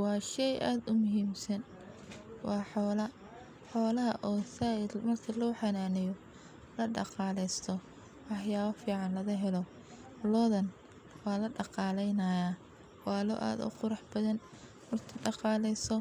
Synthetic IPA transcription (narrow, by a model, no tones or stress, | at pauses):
wɑːʃɛjʔaːd̪ʊmʊɦiːmsɐn | wɑːħɔːlɐ | ħɔːlɐɦɐʔɔːsaʔɪd̪mɐrkʰɐlɔːħɑnaːnɪjɔ | lɐɖɑ̰qɑːlɛjst̪ʰɔ | wɑħjaːβɐfiːʕɑnlɐɣɐɦɛlɔ | lɔðɐn | wɑːlɐɖɑqɑːlɛjnɐja | wɑːlɔ̰ʔa̰ːd̪ʊ̰qʊɾɑħb̥ɐðɐn | mɐrt̪ʰɐɖɑqɑːlɛjsɔ